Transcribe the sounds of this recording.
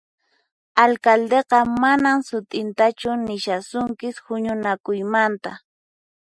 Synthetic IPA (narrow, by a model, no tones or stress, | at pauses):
alkald̪eqɑmanamsʊt̪ʼɪnt̪at͡ʃʊnɪʃasʊŋkɪshʊɲʊnakʊjmant̪a